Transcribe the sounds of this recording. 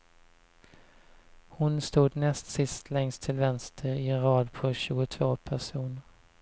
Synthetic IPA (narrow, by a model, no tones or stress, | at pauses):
hʊnst̪uːd̪nɛst̪sɪst̪ʰlɛŋst̪ʰɪlvɛnst̪ʰəɾɪɛnɾɑːd̪pʰɔɕʉ̟ːɡʊt̪ʰv̥oːpʰæʂuːnəɾ